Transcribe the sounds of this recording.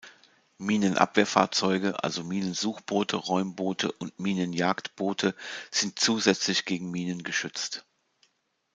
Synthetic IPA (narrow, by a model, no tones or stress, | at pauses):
miːnənʔa̰pv̥eːɐfa̰ːɐt͡sɔʏɡəʔa̰lzomiːnənzuːxb̥oːtʰəʁɔʏmboːtʰə̰ʔʊntmiːnənjaːktb̥oːtʰəz̥ɪnt̚t͡suːzɛt͡slɪçɡ̥eːɡŋ̩miːnənɡəʃʏt͡st